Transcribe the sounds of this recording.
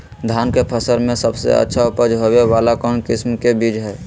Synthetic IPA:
d̪ʱaːnkepʰəsəɾmẽsəbsḛə̰tːʃʰaupəd͡ʒɦoweʋaːlakɔnkɪsmkebiːd͡ʒɦɛː

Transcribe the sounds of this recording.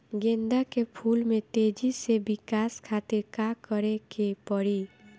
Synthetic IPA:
ɡend̪akepʰulmet̪ed͡ʒisebikaskʰat̪iɾkakəɾekepɔɽi

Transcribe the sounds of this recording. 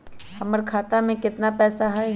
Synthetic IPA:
hɐməɾkʰaːt̪amẽkɪt̪napɛːsaɦɛ

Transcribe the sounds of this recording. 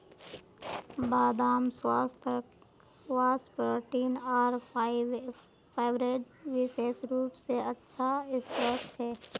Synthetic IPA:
baːd̪aːmswaːst̪ʰə | waːspəɾʈiːnaːɾ | pʰeːʋɾeːɖʋɪʃeːʃɾuːpseɐtːʃʰaɪst̪ɾəkt͡ʃʰɛː

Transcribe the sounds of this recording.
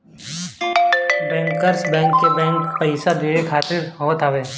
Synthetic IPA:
bɛ̃ːŋkəɾsbɛ̃ːŋkːebɛ̃ːŋkpəɪsad̪iekʰaːt̪ɪɾɦoːt̪aʋeː

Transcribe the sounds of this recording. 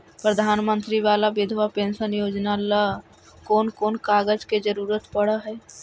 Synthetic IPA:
pɾəd̪ʱaːnmənt̪ɾiʋalabed̪ʱʋapẽnsənjod͡ʒnalə | koːnkoːnkaɡəd͡ʒked͡ʒəɾuɾət̪pəɽəɦɛ

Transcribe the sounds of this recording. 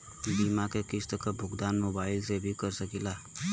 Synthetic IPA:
b̪imakekɪst̪əkabʱʊɡd̪aːnmobaːɪlsebʱikəɾsəkila

